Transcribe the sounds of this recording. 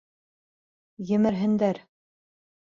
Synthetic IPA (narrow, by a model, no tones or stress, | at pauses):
jɘ̆mɘ̆ɾɦɘ̆nd̪æɾ